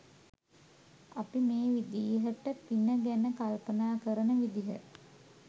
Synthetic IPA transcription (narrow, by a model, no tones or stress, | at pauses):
apimeːʋid̪iːɦəʈəpinəɡænəkalpənaːkəɾənəʋid̪iɦə̰